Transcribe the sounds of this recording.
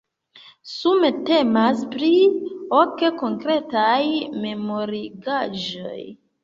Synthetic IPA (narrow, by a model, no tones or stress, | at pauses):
sumete̞maspɾioke̞ko̞ŋkɾe̞tajme̞moɾiɡaʒo̞̰j